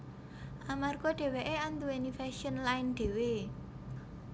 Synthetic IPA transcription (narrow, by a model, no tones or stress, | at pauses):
ʔamarɡ̥oɖ̪̥e̤weʔeant̪uwenifɛʃiənlaɪnɖ̪̥e̤we